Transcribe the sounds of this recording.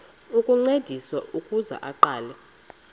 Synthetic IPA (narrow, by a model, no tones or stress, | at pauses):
ukʼuŋ͡ǀed̥ʱiswaʔukʼuza̰ʔaǃaːlɛ